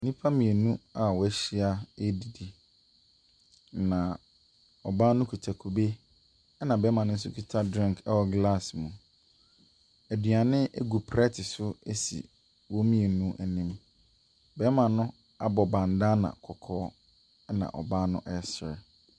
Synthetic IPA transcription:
nĩ˦pʰa˦mĩ˨e˨nũ˦a˨wɔ˨æ˦ɕi˦a˦e˦di˨di˨ | nã˨ | ɔ˨baː˦nʊ̃˦kʰu˨tʰa˨kʰu˨be˦ | ɛ˦nã˨bɛ˨˦mã˨nʊ̃˦n̩˦sʊ˦kʰi˨tʰa˦dɾĩ˦˨ŋkʰɛ˦wɔ˨ɡla˦˨smũ˨ | æ˨dɥa˨nɪ̃˦ʔe˦ɡu˨pʰɾɛ˦tʰɪ˨sʊ˦e˦sḭ˨ | wɔ˦mĩ˦e˨nũ˦ʔæ˨nĩ˦m | bɛ˦mã˨nʊ̃˦ | a˦bɔ˨bã˨n̩˨da˦nã̰˨kʰɔ˨kʰɔː˦ | ɛ˦nã̰˨ʔɔ̰˨baː˦nʊ̰̃˦ʔɛ˦sɪ˨ɾɛ˨

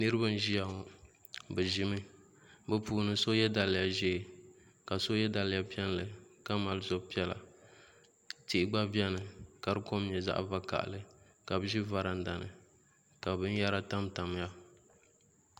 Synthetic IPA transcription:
nɨ˦ɾɨ˦ba˦n˦ʒi˦ja˨ɔ˨ | bɛ˨ʒɪ˦mɨ˦ | bɛ˦puː˨nɨ˨so˦jɛ˦da˨lɪ˨ja˨ʒɛ˦˨ | ka˨so˦jɛ˦da˨lɪ˦ja˨pi˦ɛ˦n˦lɨ˨ka˦ma˨lzo˦pi˦ɛ˦la̰˨ | ti˦˨ʔɪ˨ɡ͡ba˦bjɛ˦nɨ˨ka˨ɾɨ˦ko˦mɲɛ˨za̰˦ʔva˦ka̰˨ʔa̰˨lɨ˨ | ka˨bɨ˦ʒi˦va˨ɾa˨n˦da˨nɨ̰˨ | ka˨bɨ˦n˦ja˦ɾa˦ta˦mta˨m˦ja˦

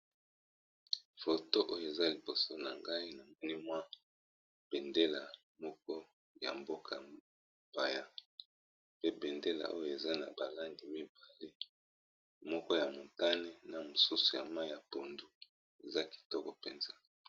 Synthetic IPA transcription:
fo˨to˦ʔo˦jo˨e˨za˦li˨bo˨so˦na˨ŋɡa˦i˦na˨mɛ˦ni˦mwa˦ | b̥ɛ˨nde˦la˨ | mɔ˦kɔ˦ | ja̰˨mbo˦kʰa˨ | ba˨ja˦ | pe˦bɛ˨nde˦la̰˨ʔo˦jo˨e˨za˦na̰˨ba˨la˦ndi˨mi˦ba˨le˦ | mɔ˦kɔ˦ja˨mo˨ta˦ne˦na˨mo˨su˦su̥˨ja̰˨ma˦i˦ja˨po˨ndu˦ | e˨za˦ki̥˨tɔ˦kɔ˨pɛ˨nza˦

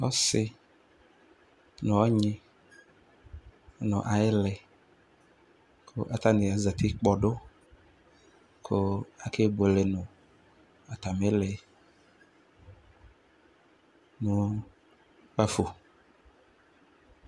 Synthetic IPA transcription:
ɔ˦sɪ˦ | nʊ̃˨ɔ˦ɲɪ̃˦ | nʊ̃˨ʔa˨ɪ˦lɛ˨ | kʰʊ̰˦ʔa˨t̪a˦nɪ̃˨a˨za˨t̪ʰɪ˦k͡pɔ˨ɖʊ˦ | kʰʊ˦a˨kʰe˦bo˨lɪ˨nʊ̃˨ | a˨t̪a˨me˦lɪ˨ | nʊ̃˨ | k͡pa˦fo˨

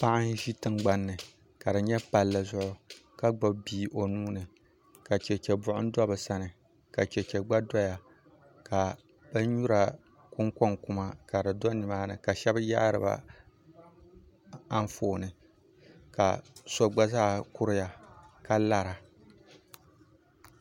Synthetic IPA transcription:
pa˦ʔɪ˦ʒi˦tɨ˦ŋɡ͡ba˦nːɨ˨ | ka˨dɨ˨ɲɛ˦pa˨lːɨ˨zʊ˦ʔʊ˦ka˦ɡ͡ba˨bbiː˦˨ʔo˨nuː˦nɨ˨ | ka˨t͡ʃɛ˨t͡ʃɛ˨bʊ˦ʔʊ̰˦n˦dɔ˦bɨ˨sa˦nɨ˨ | ka˨t͡ʃɛ˨t͡ʃɛ˨ɡ͡ba˦dɔ˦ja˨ | ka˨ | ba˦ɲu˦ɾa˨ | kʊ˦ŋkɔ˦ŋkʊ˦ma˦ka˨ɾɨ˨dɔ˦nɨ˨maː˦nɨ˨ka˨ʃɛ˦bɨ˦ja˦ʔɾɨ̰˨ba̰˦ | a˦ɱ˦foː˨nɨ˨ | ka̰˨sɔ˦ɡ͡ba˦zaː˦kʊ˦ɾɨ˦ja˨ka˦la˦ɾa˨

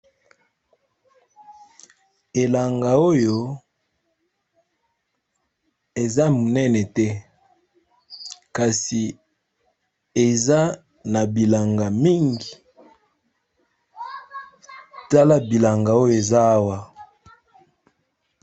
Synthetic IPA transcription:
e˨la˨ŋɡa˨o˦jo˨ | e˨za˦mu˨nɛ˦nɛ˨tɛ˦ | ka˨si˨ | e˨za˦ | na˨bi˨la˨ŋɡa˨mi˦ŋɡi˨ | ta˦la˦bi˨la˨ŋɡa˨o˦jo˨e˨za˦a˦wa˦

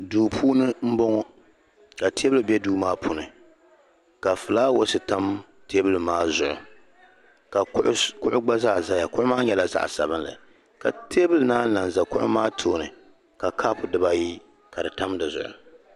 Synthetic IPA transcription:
duː˨pʰuː˦nɨ˦m̩˦bɔ˦ŋɔ˦ | ka˨tʰeː˦bɨ˨bɛ˦duː˦maː˦pʰu˨nɨ˨ | ka˨fɨ˨laː˦wo˦sɨ˨ta˦m | teː˦bɨ˦lɨ˨maː˦zʊ˨ʔʊ̰˨ | ka˨ʔkʊ˦ʔʊ˦ɡ͡ba˦za˦˨za˦ja˨kʊ˦ʔʊ˦maː˦ɲɛ˦la˨za̰˦ʔsa̰˨bɨ˦nla̰˨ | ka˨tʰeː˦bɨ˦lɨ˨naː˦na˨n˨za˨kʊ̰˦ʔʊ̰˦maː˦tʰoː˦nɨ˨ | ka˨kʰaː˦pʊ˨dɨ˦ba˦ji˦ | ka˨dɨ˨ta˦mdɨ˨zʊ̰˨ʔʊ̰˨

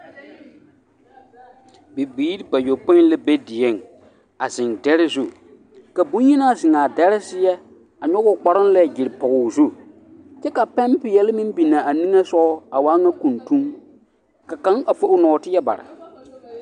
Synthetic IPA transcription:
bi˨biː˦ɾi˦ba˨jo˨po˦lɛ˦be˦dɪ˨je˦˨ŋ | a˨zɪ˨ŋdɛ˦ɾɪ˦zu˦˨ | ka˨bũ˦ɲ˦i˦na˦˨zɪ˨ŋaː˨dɛ˦ɾɪ˦sɪ˦jɛ˦ | a˨ɲɔ˦ɣʊ˦˨k͡pa˨ɾɪ˦n˦lɛ˦˨d͡ʒɪ˨ɾɪ˨pɔ˨ɡʊ˨zu˦ | t͡ʃɛ˦ka˨pɛ˦mpɪ˨jɛ˦lɪ˦mɪ˦m˦bi˨na˨ʔa˨ni˦ŋa˦sɔ˦a˨waː˦ŋa˦ku˨ntu˦ŋ | ka˨ka˦ŋa˨fo˦ʔʊ˦nɔː˨˦tɪ˦jɛ˦ba̰˨ɾɪ̰˨

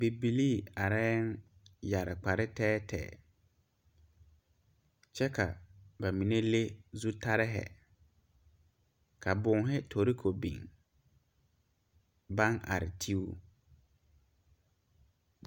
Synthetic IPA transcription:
be˨bi˨li˦a˨ɾɛ˦n˦ | ja˨ɾɪ˨k͡pa˨ɾɪ˦tʰɛː˦tʰɛ̰ː˨ | t͡ɕʰɛ˦kʰa̰˨bɛ˨mĩ˨nẽ˦le˦zu˦tʰa˦ɾɪ˦ɦɛ̰˨ | kʰa˨bʊ̃˦˨ŋɦɪ˦tʰo˨ɾi˦kʰo˨bḭ̃˨ŋ | bã˦ŋa̰˨ɾɪ̰˨tʰi˦u˦

